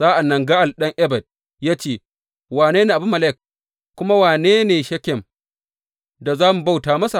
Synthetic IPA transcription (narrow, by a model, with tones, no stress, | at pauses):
zaː˦ʔa˨nːɐ˨ŋɡa˦ʔa˨lɗɐ˦ŋʔɛ˦bɐ˨d̚ | jaː˦t͡ʃeː˦˨ | waː˨neː˦neː˨ʔa˨bʊ˦mːɐ˨lɛ˦˨k̚ | kːʷʊ˦ma˦waː˨neː˦neː˨ʃɐ˦kʲɛ˨m | da˨zaː˦mu˨ba˦wtaː˨mɐ˦sa˨